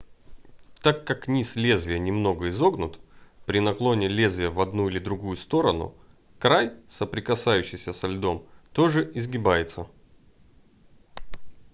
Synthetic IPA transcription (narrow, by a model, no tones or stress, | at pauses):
t̪akːaknʲislʲezvʲɪjənʲɪmno̞ɡəɪzo̞ɡnʊt̪pɾʲɪnɐklˠo̞nʲɪlʲezʲvʲɪjəvɐd̪nuɪlʲɪd̪ɾʊɡujʊst̪o̞ɾənʊ̰ | kɾajsəpɾʲɪkɐsajʉɕːɪjsʲəsɐlʲd̪o̞mt̪o̞ʐɨɪzɡʲɪbajɪt̪sə